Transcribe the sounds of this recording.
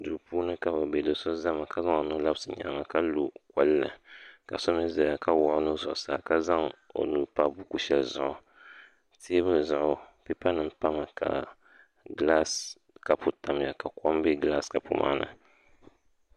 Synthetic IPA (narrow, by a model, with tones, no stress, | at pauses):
du˨ɾpuː˦nɨ˦ka˦ba˨bɛ˨do˨so˦za˦ma˨ka˦za˦ŋo˨nu˦la˦bsɨ˨ɲa̰˨ma˨ka˦lo˨ka˦lːɨ̰˨ka̰˨so˦m˦ɛ˦za˨a˨ka˦wɔ˦˨ʔʊ˦nɨ˦zʊ˨ʔʊ˨saː˨ka˦za˦ŋo̰˨nu˨pa˦bu˦ku˦ʃɛ˨lzʊ̰˨ʔʊ˨ | tʰe˦bɨ˦lɨ˨zʊ˨ʔʊ˦pi˦pa˦nɨ˨˦pa˦ma˨kʰa̰˨ | ɡla˦s | ka˨pu˨ta˨m˨ja˨ka˨kɔ˦mbe˦ɡla˦ska˨pu˨mʔa̰ː˦nɨ̰˨